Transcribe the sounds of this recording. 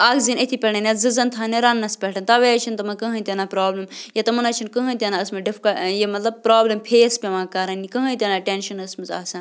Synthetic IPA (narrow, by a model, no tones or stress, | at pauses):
aːɡzinɐt̪ʰipʲɛɳɐnʲɐzɨzɐnt̪ʰaːneɾɐnːɐspʲɛʈʰɐnt̪ɐʋet͡ʃʰint̪ɐmɐkɐɦɐnt̪ʲenaːpɾaːblɐmjɐt̪ɐmɐnɐt͡ʃʰinkɐɦɐnt̪ʲenaɐsmɐɖifkɐjemɐt̪lɐb̚pɾaːblɐmpʰeːspʲeʋãːkɐɾɐnːikɐɦɐt̪ʲenaʈenʃɐnɐsmɐza̰ːsɐn